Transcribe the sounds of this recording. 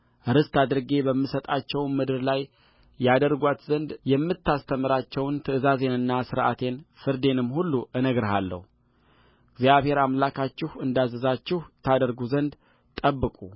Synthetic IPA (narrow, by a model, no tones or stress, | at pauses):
ʔɨɾɨst̪ʰad̪ɨɾɡe̞bəmːɨsət̪ʼat͡ʃːɛwmɨd̪ɨɾlajː | ad̪əɾɡʷat̪zənd̪jɛmːɨt̪ʰːast̪ʰəmɨɾat͡ʃːɛwnt̪ʰɨɨzaze̞nɨnːasɨɾʔa̰t̪ʰe̞nfɨɾd̪e̞nɨmhulːuʔɨnəɡɾɦalːə̰hu | ɡzjaβhe̞ɾamlakʰat͡ʃːɪhɨnd̪azəzat͡ʃːɪht̪ʰad̪əɾɡuzənd̪ | t̪ʼəbːɨkʼu